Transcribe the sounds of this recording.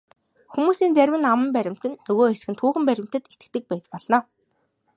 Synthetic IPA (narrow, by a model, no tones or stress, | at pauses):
xumuːsiːnt͡sæɾʲwɘ̆namə̆mpæɾʲɪ̆m̥t̪ɘ̆nːɵɣoːes̆xɘ̆nt̪ʰuːxɘ̆mpæɾʲɪ̆m̥ʲt̪ɘ̆t̪et̪ɘ̆k̚t̪ɘ̆k̚pæːt͡ɕpɔɮnaː